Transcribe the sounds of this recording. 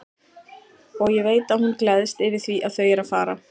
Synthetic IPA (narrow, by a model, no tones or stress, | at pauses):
ɔɣjɛveːjt̪ahunklɛðst̪ɪvɪ̥θviʔaðθœɥjɛɾafaːɾa̰